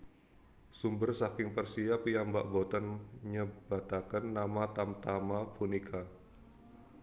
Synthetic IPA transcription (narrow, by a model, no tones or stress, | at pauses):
sumbərsakɪŋpərsiapijambaʔbot̪ənɲəbat̪akənːamat̪amt̪amapunikʰa